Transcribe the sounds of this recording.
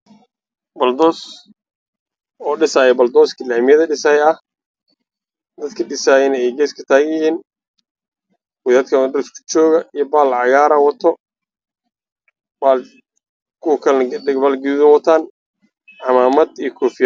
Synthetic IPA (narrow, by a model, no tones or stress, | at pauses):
bɐld̪ɔːs | ɔːɖɪsaːjɛbɐld̪ɔːskʰɪlaːmɪjɐðɐɖɪsaːjɐh | d̪ɐd̪kʰɐɖɪsaːjɪnɛɛjɡɛːskʰɐ̥t̪ʰaːɣjɪhiːn | wʊðaːd̪kʰɐndskʰʊ̥t͡ʃɔːɣɐijɔbaːlʕɑɣaːɾɐwɐt̪ʰɔ | baːl | kʰʊwɐkʰɐnbaːlɡɪðɐwɐt̪ʰaːn | ʕɑmaːmɐd̪ijɞkʰɔːfɪjɐ